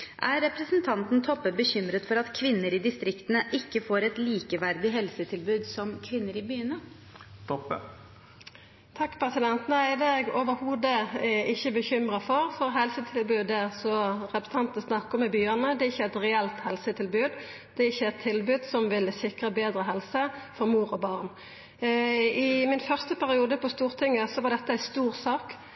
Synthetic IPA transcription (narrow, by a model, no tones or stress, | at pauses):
ʔæɾːɛpɾəsnt̪ʰɑnt̪n̩t̪ʰɔpːəbəçʏmɾət̪fɔɾɑt̪kʰʋɪnːəɾɪd̪ɪst̪ɾɪkt̪ənəʔɪkːəfoːɾɛt̪liːkəʋæɾd̪ɪɦɛlsət̪ʰɪlbʉːd̪sɔmkʰʋɪnːəɾɪbyːənə | t̪p | t̪ʰɑkːpʰɾɛsɪd̪ɛnt̪næɪd̪ɛɛɡoːʋəɾhuːd̪əɛɪçːəbəçʏmɾəfɔɾfɔʁhɛlsət̪ʰɪlbʉːd̪æʁsɔʁɛpɾsʰɑnt̪nəsnɑkːɔmɛbyːɑnəd̪ɛɪçːəæɪt̪ʁɛɛlt̪hɛlsət̪ʰɪlbʉːd̪ | d̪̥ɛɪçːəæɪt̪ʰːɪlbʉːd̪sɔmʋɪlsɪkʁəbeːd̪ɾəɦɛlsəfɔʁmuːɾɔbɑːʁn | ɪmɪnfœʁst̪əpʰæʁɪuːd̪əpʰɔst̪uːʁt̪ʰɪŋːəsɔʋɑʁd̪ɛt̪ːəæɪst̪uːʁsɑːk